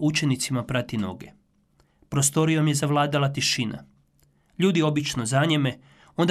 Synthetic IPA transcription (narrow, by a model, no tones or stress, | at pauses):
ut͡ʃe̞nit̪simapɾat̪ino̞̰ɡḛ | pɾo̞st̪o̞ɾijo̞mje̞zaʋlˠaːd̪alat̪iʃina̰ | ʎuːd̪io̞bit͡ʃno̞zaɲeme̞ | o̞nd̪